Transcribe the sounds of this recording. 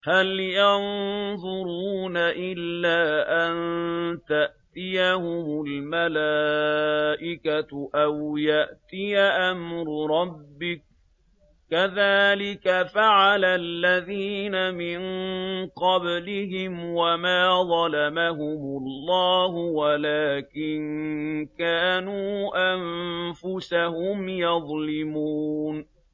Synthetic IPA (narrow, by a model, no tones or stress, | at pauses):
haljɑnðˤʊɾuːnaʔɪlːaːʔant̪aʔt̪ɪjahʊmʊlmalaː | ʔɪkatʔawjaʔt̪ɪjaʔamɾʊɾˤɑbːɪk̚ | kaðaːlɪkafaʕalalːaðiːnamɪnqɑblɪɦɪmwamaːðˤɑlamaɦʊmʊlːɑːhʊwalaːkɪnkaːnuːʔamfʊsahʊmjɑðˤlɪmuːn